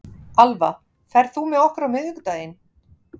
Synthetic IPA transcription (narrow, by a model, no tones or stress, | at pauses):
alva | fɛɾ̥θumɛðɔhkʏɾawmɪðʏkt̪aːjɪn